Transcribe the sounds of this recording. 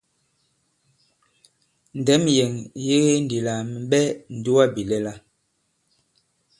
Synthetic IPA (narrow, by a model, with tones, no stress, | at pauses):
n̩˨dɛ˨˦mjɛ˨ŋje˦ɣe˦n̩˨di˨la˨m˨ɓɛ˦n̩˨du˦a˦bi˨lɛ˦la˦